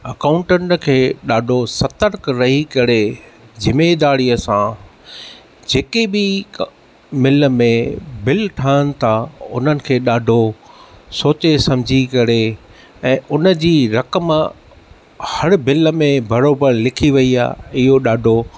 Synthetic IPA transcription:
ɐkaːʊ̃ɳʈənkʰeːɗaːɖʱosɐt̪əɾkɾɐɦikɐɾed͡ʑɪmed̪aːɾijəsã | d͡ʑeːkebɪ | mɪlmẽbɪlʈʰaːɪənɪ̆t̪ʰaʊ̰n̤ənɪ̆kʰeːɗaːɖʱo | soːt͡ɕesɐ̃md͡ʑʱikɐɾe | ɛ̃ːʔʊnəd͡ʑiːɾɐkəm | hɐɾbɪləmẽbɐɾoːbəɾlɪkʰiʋɐia̰ːɪɦoɗaːɖʱo

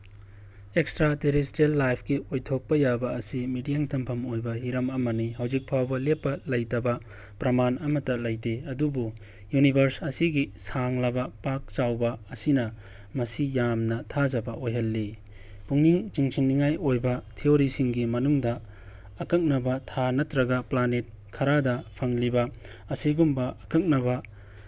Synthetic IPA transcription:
ekstɾateɾestelːajpʰɡiojtʰok̚pɐjabɐɐsimidijaŋtʰɐmpʰɐmojbɐɦiɾɐmɐmɐnihɐwzik̚pʰawbɐlepːɐlɐjtɐbɐ | pɾɐmanɐmɐtːɐlɐjteɐdubu | junibʱɐɾsɐsiɡisaŋlɐbɐpak̚t͡ʃawbɐɐsinɐ | mɐsijamnɐtʰazɐbɐʔojɦɐlːi | puŋniŋt͡ʃiŋsʰiŋniŋajojbɐtʰioɾisiŋɡimɐnuŋdɐː | kɐk̚nɐbɐtʰanɐtɾɐɡɐplanet̚ | kʰɐɾadɐpʰɐŋlibɐ | ɐsiɡumbɐɐkɐk̚nɐbɐ

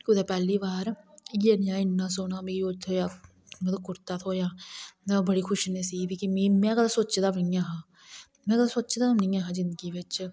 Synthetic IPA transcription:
kɪʊd̪eːpɛːliːbaːɾjeːnjãːɪnːãːsoːɽaːmẽːjoːd͡ʒt̪ʰoːjaː | mət̪əbkʊɾt̪aːt̪ʰoːjaːt̪bəɽiːkʰʊʃneːsiːbikimĩːmɛ̃ːkəd̪aːsoːt͡ʃd̪aːbnĩːaːɦãː | mɛ̃ːkəd̪aːsoːt͡ʃd̪aːnĩːãːɦãːd͡ʒɪnd̪ɡiːʋɪt͡ʃ

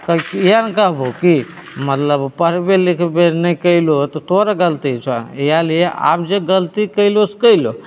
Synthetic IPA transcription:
kəkjankaboki | mət̪ləbpəɾbelɪkʰbenəikəilot̪ot̪oɾaɡəlt̪it͡ʃʰanjalijeʔa̰ːpd͡ʒeɡəlt̪ikəiloskəilo

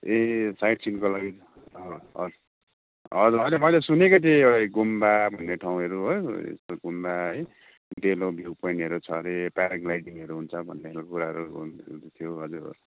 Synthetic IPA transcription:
esaiʈsinkolaɡi | ʌʌ̰u | ʌd͡zuɾʌjlemʌjlesunekot̪ʰeʌɡumbabʱʌnːeʈʰawũɦʌɾuɦojḛst̪oɡumbaʌj | ɖelõbʱjipʌjɳʈɦʌɾut͡sʰʌɾepaɾaɡlajɖiŋʌɾuɦunt͡sʰʌbʱʌnːekʰelkokuɾaɦʌɾut̪ʰijoɦʌd͡zuɾ̰

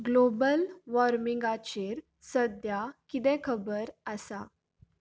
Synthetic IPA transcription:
ɡlobəlʋɔɾmiŋɡat͡ɕeɾ | səd̪jakit̪ɛ̃kʰəbəɾəsa̰

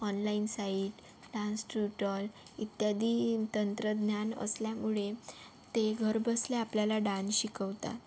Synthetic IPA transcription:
ɔnlainsaiʈ | ɖãnsʈuʈəlit̪jad̪iːt̪ənt̪ɾəd̪njanə̰sljamuɭe | t̪eɡʱəɾbəsleapljalaɖãnɕikəwt̪a̰

